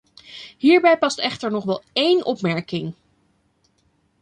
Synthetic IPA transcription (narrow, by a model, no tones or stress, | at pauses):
ɦiːɹbɛjpɑstɛχtəɹnɔχʋɛlˠejnʔɔ̰pmɛɹkɪŋ